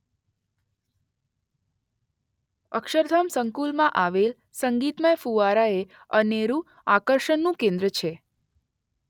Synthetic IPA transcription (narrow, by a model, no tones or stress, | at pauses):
ə̰kʃəɾd̪ʱamsəŋkulmãʔaʋel | səŋɡit̪məjfuʋaɾae | əneɾũ | akəɾʃənːũkẽnd̪ɾət͡ʃʰe